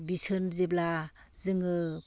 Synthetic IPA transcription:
bisɯnzeblazɯŋɯ

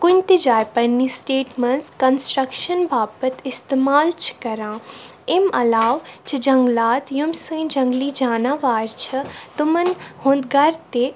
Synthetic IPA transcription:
kʊnʲt̪ed͡ʒaːjpɐɾniːsʈeːʈmɐnskɐnsʈɾɐkʃənbʱaːbət̪ɪst̪emaːlt͡ʃʰkɐɾãː | emɐ̰laːʋt͡ʃʰid͡ʒɐ̃ŋɡlaːt̪jumsə̃ːd͡ʒɐ̃ŋɡliːd͡ʒaːnãːʋaːɾt͡ʃʰɐt̪umɐnhõːnd̪ɡɐɾt̪e

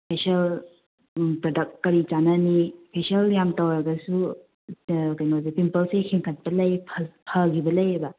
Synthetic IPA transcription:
pʰesɐl | pɾodɐk̚t̚kɐɾit͡ʃananipʰesɐljamtɐwɾɐɡɐsu | kajmazipimpɐlsejkʰiŋkʰat̚bɐlɐjpʰpʰɐɡibɐlɐjebɐ

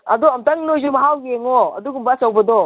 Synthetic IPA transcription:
ɐd̪ɔɐmtɐŋnojzomɐɦawɡeŋɔɐ̰d̪uɡumbasɐwbɐdɔ

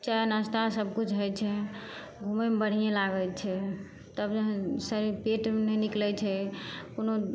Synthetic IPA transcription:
t͡ʃajnast̪asəb̚ʱkut͡ʃʰɦojt͡ʃʰɛ | ɡʱumemebəɽ̤ijelaɡət͡ʃʰɛ | t̪əbd͡ʒəɦsəɾiɾpeʈmenɛniklɛt͡ʃʰɛkono

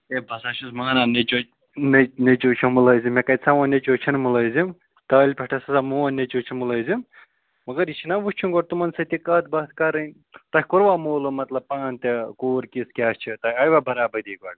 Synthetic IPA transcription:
ebʱɐsaːʃʰusmɐnanet͡ʃo | nenet͡ʃoːt͡ʃʰomulɐːzimekɐtʲt͡sʰɐʋɐnʲet͡ʃoːt͡ʃʰinmulɐːzim | t̪ɐːlʲpʲeʈʰɐsɐsamoːɐnʲːet͡ʃoːt͡ʃʰimulɐːjzim | mɐɡɐɾit͡ʃʰinaʋust͡ʃʰuɡoɽt̪umɐnsɐt̪ikɐt̪̚bɐt̪ʰkɐɾɐnʲ | t̪ɐhʲkuɾʋaːmoːlomɐt̪lɐb̚paːnt̪ekoːɾkiskʲaːst͡ʃʰit̪ɐɐjʋabʱɐɾaːbɐd̪iːɡɐɽ

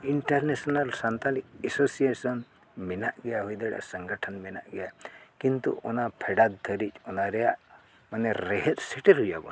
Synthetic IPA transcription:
iɳʈɐɾnesnalsant̪alik̚esosiesɔn | minaʔɡejaɦujd̪eɽa̰səŋɡəʈʰənmina̰ʔɡejakint̪ṵʔɔnapʰeɽad̪̚d̪ʱəɾit͡ʃɔnaɾɛja̰ʔ | manːeɾeɦet̪seʈeɾɦud͡ʒa̰bɔ̰

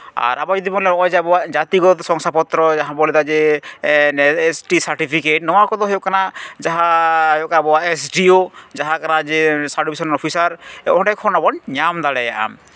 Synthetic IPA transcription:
a̰ɾabɔd͡ʒɔd̪ibɔlɛɔjd͡ʒɛabɔwad͡ʒat̪iɡɔt̪ɔsɔŋsapɔt̪ɾɔd͡ʒaɦãbɔlɛd̪ad͡ʒɛ | esʈisaɾʈipʰikeʈ̚nɔ̃wakɔd̪ɔɦɔjɔʔkanad͡ʒaɦãjɔkabɔwaesʈiod͡ʒaɦãkanad͡ʒɛsaɖubisɔnɔɾɔpʰisaɾɛɔ̃ɖɛkʰɔnabɔnɲamd̪aɽɛjaʔa̰m

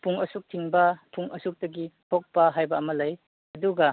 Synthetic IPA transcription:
puŋɐsuk̚tʰiŋbɐpʰuŋɐsuk̚tɐɡitʰok̚pɐɦajbɐːmɐlɐj | ɐduɡɐ

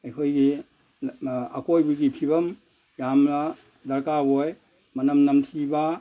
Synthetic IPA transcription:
ɐjhʰojɡi | akojbuɡipʰibɐm | jamla | dɐɾkaboj | mɐnɐmnɐmtʰiba

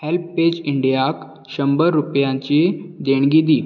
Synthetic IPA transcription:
helpped͡ʑiɳɖijak | ɕəmbəɾɾupjãɲt͡ɕid̪eɳ̃ɡid̪iː

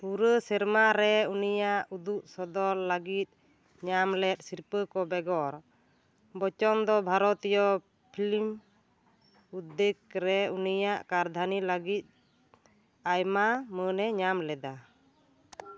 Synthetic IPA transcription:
puɾəsɛɾmaɾɛunijaʔud̪uʔsɔd̪ɔlːaɡit̪̚ | ɲamlɛt̪̚ˀsiɾpəkɔbɛɡɔɾ | bɔt͡ʃɔnd̪ɔbʱaɾɔt̪jɔ | pʰilim | ud̪ek̚ɾɛunijaʔkaɾd̪ʱanilaɡit̪̚ˀ | ajmamənɛɲamlɛd̪a

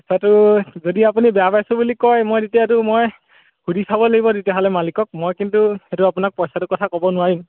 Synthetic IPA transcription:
psatuzodiapunibabasɔbulikɔjmojditjatumoj | hudisʰabɔleɡibɔditaɦɔlɛmalikɔk̚mojkintuetuapunak̚pɔjsatʊkɔtʰakɔbɔnʊaɹim

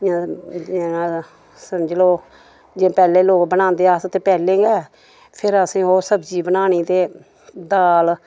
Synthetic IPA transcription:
ã | ã | səməd͡ʒloː | d͡ʒeːpɛːleːloːkbənãːnd̪eːaːst̪eːpɛːlẽːɡɛː | pʰɪɾəsĩːɦoːsəbd͡ʒiːbənaːñiːt̪eː | d̪aːl

